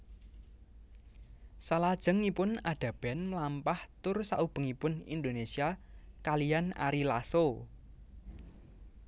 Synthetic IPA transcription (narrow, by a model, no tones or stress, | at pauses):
salad̥ʒ̥ə̤ŋipʊnaɖ̪̥a̤b̥ɛ̤nməlampaht̪ʊrsa̰ʔub̥ə̤ŋipʊnḭnd̪onesiakalijana̰ɾilaso